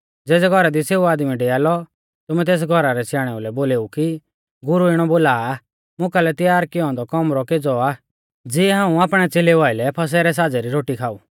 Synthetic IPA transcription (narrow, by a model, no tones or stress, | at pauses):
d͡zɛːd͡zɛɡʱɔɾad̪iseːuaːd̪miɖeaːlɔ | t̪ʊmɛt̪̬eːs̬ɡʱɔɾaɾɛsjaːɽ̃ɛulɛboːleːuki | ɡʊɾuɪɽ̃ɔboːlaː | mʊkalɛt̪ɪjaːɾkɪjɔ̃d̪ɔkɔmɾɔkeːd͡zɔaː | d͡ziɛɦãːũaːpɽ̃ɛt͡seːleʋaːɪlɛpʰɐs̬ɛːɾɛs̬aːd͡zɛɾiɾoːʈikʰaːuː